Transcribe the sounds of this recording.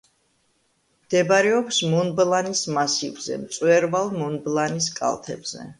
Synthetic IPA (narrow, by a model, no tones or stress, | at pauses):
md̪̥ɛbaɾɛɔksmunblanismasivzɛ̰mt̪sʼwɛɾvalˠmɔnblˠaniskʼa̰lˠt̪ʰɛ̰bz̥ɛ̰